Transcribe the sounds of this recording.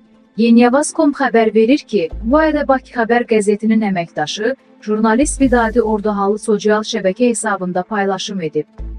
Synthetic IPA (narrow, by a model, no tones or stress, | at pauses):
je̞nijɑvɑz̥kʰo̞mpxæbæɾve̞ɾiɾcʰibuɑɾd̪æbɑcʰi̥xæbæɾɡæze̞t̪ʰininæmæcd̪ɑʃɯ | ʒ̥uɾnɑlist̪bid̪ɑːd̪io̞ɾd̪ɑɦɑlˠɯso̞siɑlˠʃæbæcʰæhe̞sɑːbɯnd̪ɑpʰɑjlˠɑʃɯme̞d̪ip̚